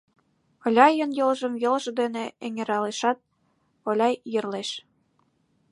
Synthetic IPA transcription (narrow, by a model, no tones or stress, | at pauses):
ɤ̆lʲɑjənjɤ̆lʒə̆mjɤ̆lʒɤ̆d̪eneeŋeɾɑleʃɑt̪̚ | olʲɑjjə̆rleʃ